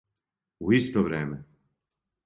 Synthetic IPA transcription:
uist̪oʋɾeːmɛ

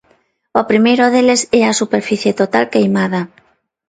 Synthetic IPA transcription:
opɾimejɾoðelesɛasupeɾfiθjet̪ot̪alkejmaða

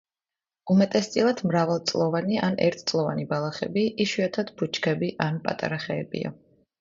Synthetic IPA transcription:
umɛt̪ʼɛst̪sʼilˠad̪ʰmɾavalˠt̪sʼlˠɔvaniʔanɛ̰ɾt̪ʰt̪sʼlˠɔvanibalˠaχɛ̰biʔiʃwiat̪ʰad̪bʰut͡ʃʰkʰɛbiʔanpʼa̰t̪ʼa̰ɾaχɛːbḭa̰

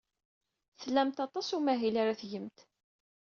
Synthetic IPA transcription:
θlæmt̪ɑt̪ˤɑsumæɦilaɾaθʝəmt̪

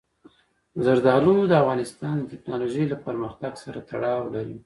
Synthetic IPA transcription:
zaɾd̪ɑlod̪əafɣɑnɪst̪ɑnd̪ətɪknɑloʒəjlapəɾməxt̪aɡsaɾat̪aɽɑwlaɾi

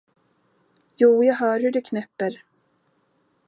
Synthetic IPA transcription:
juːjaːɡɦœːɾhɵɖɵkʰnɛpːəɾ

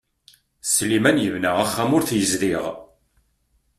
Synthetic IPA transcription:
slːimænjəvnəʁaχːæmʊɾθjəzðiʁ

